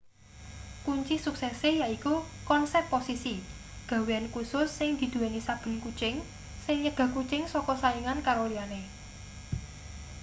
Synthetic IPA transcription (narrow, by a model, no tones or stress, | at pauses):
kuɲt͡ʃisuksɛsejaikukɔnsɛpːosisi | ɡ̥ä̤weankusʊsːɪŋd̪̥i̤d̪̥ṳwanisab̥ə̤nkut͡ʃɪŋ | sɪŋɲəɡ̥a̤kut͡ʃɪŋsɔkɔsajiŋankaɾoliane